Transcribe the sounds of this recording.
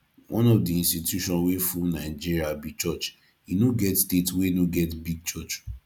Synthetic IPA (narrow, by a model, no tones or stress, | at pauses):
wʔɔ̃nɔfdiĩstitjuʃɔ̃nwefunaɪd͡ʒiɾiabit͡ʃɔt͡ʃ | inoɡɛtstetwenoɡɛtbiɡ̚t͡ʃɔt͡ʃ